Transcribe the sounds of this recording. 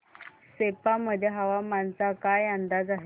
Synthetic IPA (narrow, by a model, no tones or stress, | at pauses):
sepaməd̪ʱjeɦaʋamant͡sakajand̪ad͡zaɦe